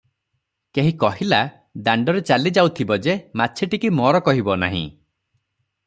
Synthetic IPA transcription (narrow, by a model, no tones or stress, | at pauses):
keɦĩkɔɦila | d̪aɳɖɔɾet͡ʃalid͡ʒawt̪ʰibɔd͡ʒematːt͡ʃʰeʈikimɔɾɔkɔɦibɔna̰ɦḭ̃